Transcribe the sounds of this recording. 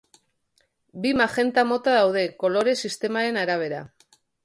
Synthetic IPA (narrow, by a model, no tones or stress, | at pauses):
bimaxe̞nt̪amo̞t̪aðawð̞e̞ko̞lo̞ɾe̞sist̪e̞maɾe̞naɾaβ̞e̞ɾa